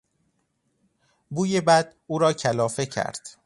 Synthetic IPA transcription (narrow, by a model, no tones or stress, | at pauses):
buːjebæd̪uːɾɒːcʰælɒːfe̞cʰæ̰ɾd̪̥